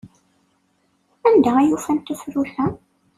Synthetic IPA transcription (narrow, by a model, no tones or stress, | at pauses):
ænd̪ææjufænt̪ufɾuθæ